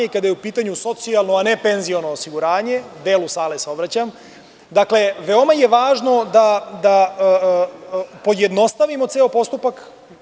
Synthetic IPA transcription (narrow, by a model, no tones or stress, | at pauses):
eikad̪ajeupiːt̪aɲuso̞t̪sialˠno̞ane̞pe̞nzio̞no̞ːsiɡuɾaːɲe̞d̪e̞ːlusaːleseo̞bɾat͡ɕam | d̪akle̞ʋeo̞maje̞ʋaːʒno̞d̪ad̪a | po̞jed̪no̞st̪aʋimo̞t̪seopo̞st̪upak